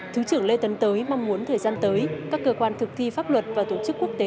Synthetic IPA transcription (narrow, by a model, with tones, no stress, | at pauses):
t̪ʰɨ˨˦wt͡ɕɨ˧˩əŋle˧t̪ə˨˦nt̪əː˨˦jma˧wŋ͡mmu˨˦ənt̪ʰəː˨˩jzaː˧nt̪əː˨˦jkaː˦˥kːəː˧kwaː˧nt̪ʰɨ˨˩k̚t̪ʰi˧faː˦˥p̚lwə˨˩t̚vaː˨˩t̪o˧˩t͡ɕɨ˦˥kːu˦˥ək̚t̪e˨˦